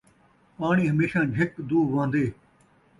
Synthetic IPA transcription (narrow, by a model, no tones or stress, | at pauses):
paːɳiːɦəmeːʃãːd͡ʒʱɪkd̪uːʋãːnd̪eː